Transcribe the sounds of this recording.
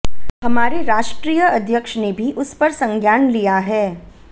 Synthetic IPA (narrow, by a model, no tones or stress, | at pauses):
hɐmaːɾeɾaːʃʈɾiːjəɐd̪ʱjəkʃnebʱiʔʊspɐɾsɐ̃ŋɡʱjaːnlijaɦɛː